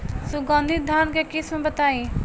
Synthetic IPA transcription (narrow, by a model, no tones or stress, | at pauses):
suɡə̃nd̪ʱit̪̚d̪ʱankekismebət̪ai